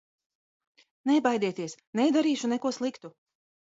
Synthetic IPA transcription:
nɛbajd̪iɛt̪iɛsnɛjd̪aɾiːʃunɛkuɔslˠikt̪u

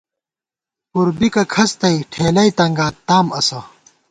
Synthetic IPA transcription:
puɾbikɐkʰɐst̪ɐiʈʰeːlɐit̪ɐŋɡaːt̪aːmɐsɐ

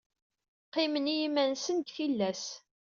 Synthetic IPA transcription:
qːimənijimænsənt̪çilːæs

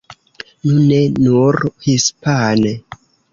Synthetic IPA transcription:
nune̞nuɾhispane

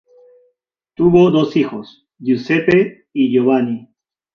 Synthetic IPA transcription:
t̪uβod̪osixos | ʎusepe | iʝoβani

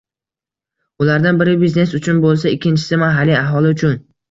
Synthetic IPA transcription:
ʊlaɾd̪anbɪɾɪbizne̞sʊt͡ʃʰʊnbolˠsaɪkʲʰːɪnt͡ʃʰɪ̥sɪmaɦaliaɦɒlˠɪʊt͡ʃʰʊn

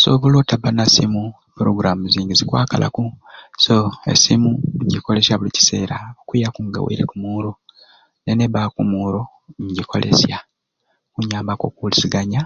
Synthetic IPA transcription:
so̰βoloːtabanasimu | puɾoɡuɾamuziːŋɡezikwaːkalʔa̰kusoḛsimuɲɟiko̞le̞sjaβulici̥se̞ːɾaokwijakuŋɡa̰wḛiɾḛkumuːɾo̞ | neneβakumuːɾo̞ | ɲɟikʰo̞̰lʔḛsja | kuɲaːmbako̞̰kuliziɡaɲa

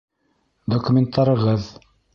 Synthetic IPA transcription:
d̪okumʲent̪ːɑɾɤ̆ʁɤð

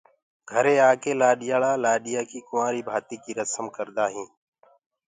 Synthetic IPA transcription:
ɡʱəɾẽːaːkeːlaːɗɪjaːɭaːlaːɗɪjaːkiːkʊmaːɾiːbʱaːt̪iːkiːɾəsəmkəɾd̪aːɦĩː

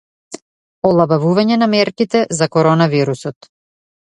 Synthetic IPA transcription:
ɔlˠabavuvaɲɛnamɛɾkit̪ɛzakɔɾɔnaviɾusɔt̪

